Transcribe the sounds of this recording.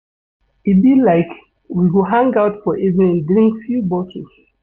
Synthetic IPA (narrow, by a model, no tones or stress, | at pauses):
ibilaɪk | wiwiɦãŋɡaʊtfɔʔivnĩndɹĩŋkfjubɔtʰis